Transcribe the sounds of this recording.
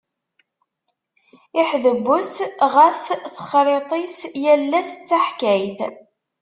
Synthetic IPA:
ɪħðəbːʊsʁæfθə̥χɾˤet̪ˤisjælːæst͡sːaħkæjθ

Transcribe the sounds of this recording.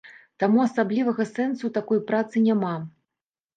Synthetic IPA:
t̪amuasablʲivɐɣɐsɛnsut̪akɔjpɾat̪sɨnʲama

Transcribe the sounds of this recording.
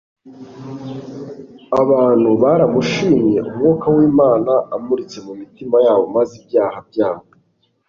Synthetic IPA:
aβaːn̥huβaɾamuʃiːmje̞̰ʔṵmŋuːkawiːmaːnaʔamuɾit͡se̞mumitimajaːβo̞mazibjaːhab̚jaːβ

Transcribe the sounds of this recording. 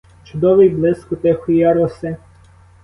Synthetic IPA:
t͡ʃʊd̪ɔʋɪjblˠɪskʊt̪ɛxʊjɑɾɔsɪ

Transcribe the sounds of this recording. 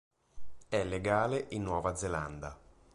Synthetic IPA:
ɛlːeɡaːleʔinːwɔːvad̪zeland̪a̰

